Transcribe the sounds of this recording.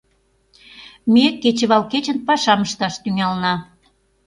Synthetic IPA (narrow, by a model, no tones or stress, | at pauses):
meket͡ɕə̆βɑlket͡ɕənpɑʃɑməʃt̪ɑʃt̪yŋɑlnɑ